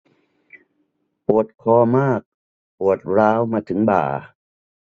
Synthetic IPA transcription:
pu˨˩ət̪̚kʰɔː˧maː˥˩k̚ | pu˨˩ət̪̚ɾaː˦˥wmaː˧t̪ʰɯ˩˦ŋba̰ː˨˩

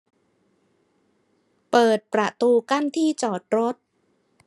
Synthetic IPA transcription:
pɤː˨˩t̪̚pɾa˨˩t̪uː˧ka˥˩nt̪ʰiː˥˩t͡ɕɔː˨˩t̪̚ɾo˦˥t̪̚

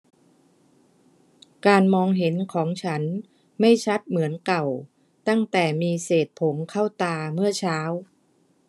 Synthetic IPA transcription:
kaː˧nmɔː˧ŋɦe˩˦nkʰɔː˩˦ŋt͡ɕʰa˦˥n | ma˥˩jt͡ɕʰa˦˥t̪̚mɯ˩˦ənka˨˩w | t̪a˥˩ŋt̪ɛː˨˩miː˧seː˨˩t̪̚pʰo˩˦mkʰa˥˩wt̪aː˧mɯ˥˩ɐt͡ɕʰaː˦˥w

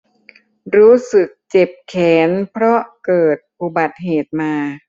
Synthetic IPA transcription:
ɾuː˦˥sɯ˨˩k̚t͡ɕe˨˩p̚kʰɛː˩˦npʰɾɔ˦˥ʔkɤː˨˩t̪̚pu˧˩ba˨˩t̪̚ɦeː˨˩t̪̚maː˧

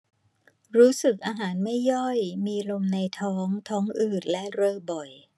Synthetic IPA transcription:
ɾuː˦˥sɯ˨˩k̚ʔaː˧ɦaː˩˦nma˥˩jːɔ˥˩jmiː˧lo˧mna˧jt̪ʰɔː˦˥ŋt̪ʰɔː˦˥ŋʔɯː˨˩t̪̚lɛ˦˥ʔɾɤː˧bɔ˨˩j

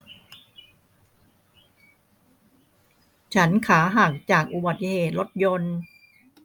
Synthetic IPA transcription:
t͡ɕʰa˦˥nkʰaː˩˦ɦaː˨˩k̚t͡ɕaː˨˩k̚ʔu˨˩ba˨˩t̪ːi˧heː˨˩t̪̚lo˦˥t̪̚jo˧n

